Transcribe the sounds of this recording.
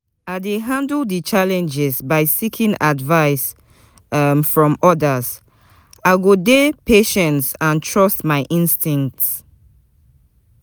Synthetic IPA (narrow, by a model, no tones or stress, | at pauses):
aɪdeɦãndəldit͡ʃalɛ̃nd͡ʒɛzbaɪsikʰĩŋʔadvaɪs | mfɹɔ̃mɔdaz | aɪɡodepʰeʃɛ̃ntsãntʰɹɔstmaɪʔĩnstĩŋk̚ts